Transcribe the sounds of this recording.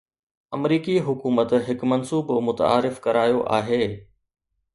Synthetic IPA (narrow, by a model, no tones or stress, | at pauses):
ɐmɾiːkiɦʊkuːmət̪ɦɪkmɐnsuːbmʊt̪a̰ːɾɪfkɐɾaːjoʔa̰ːɦeː